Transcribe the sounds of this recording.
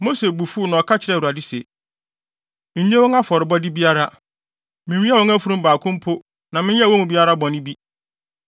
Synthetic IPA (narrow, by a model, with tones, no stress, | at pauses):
mo˦se˨bu˨fu˦nã˨ɔ˨kʰa˦t͡ɕʰɪ˨ɾɛ˨u˨a˨dɪ˦se˨ | mɪ̃˨ɲ˦ẽ˦wɔ̃˦ŋa˦fɔ˨ɾɪ˨bɔ˦dɪ˦bi˦a˦ɾa˦ | mɪ̃˨wĩ˦a˦˨ɔ̃˦ŋæ˦fu˦ɾũ˦m˦baː˨kʰʊ̃˦m˦pʰʊ˦ | nã˨mɪ̃˦ɛ˦˨wɔ̃˦ŋ˨bi˦a˦ɾa˦bɔ̃˨nɪ̃˦bi˦